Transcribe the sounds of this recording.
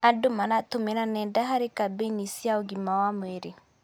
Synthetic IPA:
adomanatomeɾanɛndaɦaɾekabenisjaoɡimawamweɾe

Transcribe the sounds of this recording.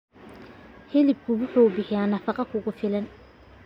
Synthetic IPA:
hɛlɪb̚kʰʊwʊħuːbɪħɪjaːnɐfɑqɑkʰʊɣʊfɪlɐn

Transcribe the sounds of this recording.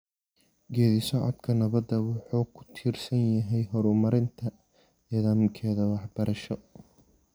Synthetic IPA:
ɡɛːðɪsɔʕɔ̰d̪kʰɐnɐβɐd̪ːɐwɑħuːkʰʊ̥t̪ʰiːrsɐnjɐɦɛjɦɔɾʊmɐɾɪnt̪ʰɐ | nɛːðaːmkʰɛːðɐwɑħb̥ɐɾɐʃɔ

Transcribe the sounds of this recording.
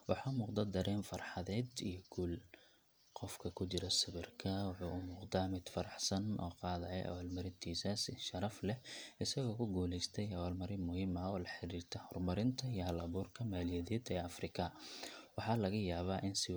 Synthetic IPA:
wɑħɑːmuːqd̪ɐd̪ɐɾɛːnfɑrħɑðɛːd̪ijɞɡuːl | qɔfkʰɐkʰʊt͡ʃɪɾɐsɪβɪrkʰɐwɑħuːʔʊmʊːqd̪aːmɪd̪̥fɐɾɑħsɐnʔɔ̰ːqɑːðɐɛ̰jʔɐ̰waːlmɐɾɪt̪ʰiːsɐsɪnʃɐɾɐflɛɪsɐɣɔːkʰʊɡuːlɛjst̪ʰɛjɐwaːlmɐɾɪmʊhiːmɐɔːlɐħɪɾiːrt̪ʰɐhɔrmɐɾɪnt̪ʰɐijɞɦɐlɐβuːrkʰɐmaːlɪjɛðɛːd̪ɛːɐfrɪkʰɐwɑħɑːlɐɣɐjaːβaːʔɪnsɪ

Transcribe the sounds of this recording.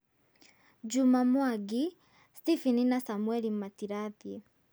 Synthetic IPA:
d͡ʒumamwaɡi | stifininasamuwɛlimatiɾaði

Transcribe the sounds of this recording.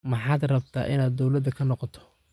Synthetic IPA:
mɑħɑːd̪rɐbt̪ʰa̰ːʔɪnaːd̪ːɔwlɐd̪ɐkʰɐnɔqɔt̪ʰɔ̥

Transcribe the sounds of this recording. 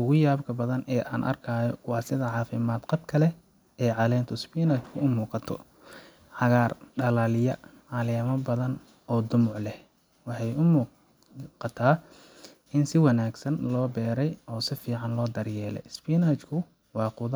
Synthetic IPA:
ʔʊɣʊjaːbkʰɐbɐðɐnɛːʔa̰ːnʔɐ̰rkʰaːjɔwɑːsɪðɐʕɑːfɪmaːd̪qɑbkʰɐlɛ | ɛːʕɑlɛːnt̪ʰʊspiːnat͡ʃkʰʊʊmuːqɑt̪ʰɔ̰ | ʕɑɣaːrɖɐlaːlɪjɐʕɑlɛːmɐbɐðɐn | ʔɔːd̪ʊmʊʕlɛ | wɑħɑjʊmuː | qɑt̪ʰaː | ɪnsɪwɑnaːɡsɐnlɔːbɛːɾɛjʔɔːsɪfiːʕɑnlɔːd̪ɐrjɛːlɛ̰jspinaːt͡ʃkʰʊ | wɑːqʊðɐ

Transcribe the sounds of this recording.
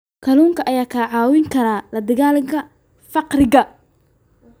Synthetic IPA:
kʰɐluːŋkʰɐʔɐjaːkʰɐʕɑːwɪŋkʰɐɾaːlɐd̪ɐɣaːlɪɣʰɐ | fɑqɾɪɣɐ

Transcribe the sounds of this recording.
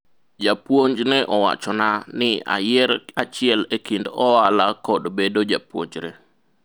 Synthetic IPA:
d͡ʒapwoɲd͡ʒnɛʔɔwa̰t͡ʃɔnanɪa̰jɛɾat͡ʃɪɛlekindɔwalakɔdbedod͡ʒapwo̰ɲd͡ʒɾe

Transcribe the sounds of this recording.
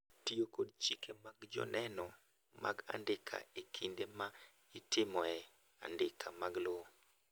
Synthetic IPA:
tijokod̚t͡ʃikʰemaɡd͡ʒɔ̰nʔɛnɔ | ma̰ɡa̰ndɪkʰa̰ekʰindema | itɪmɔɛ | a̰ndɪkʰamaɡlo

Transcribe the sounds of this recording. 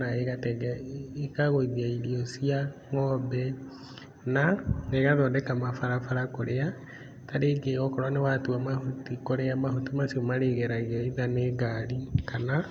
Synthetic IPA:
naeɣatɛɣɛekaɣoiðiailiɔsiaŋɔbɛ | naeɣaðɔːdɛkamafaɾafaɾakoɾea | taɾeɡeɣɔkɔɾwanewatuamahutikoɾeamahutimasiomaɾeɣɛɾaɣeiðaneɡalikana

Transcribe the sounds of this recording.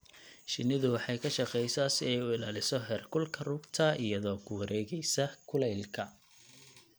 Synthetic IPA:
ʃɪnɪðʊwɑħɑjkʰɐʃɑqɛjsɐsɪɛjʊɪlaːlɪsɔɦɛːrkʰʊlkʰɐrʊːɡt̪ʰɐɪjɐðɔːkʰʊwɐɾɛːɣɛjsɐkʰʊlɛjlkʰɐ

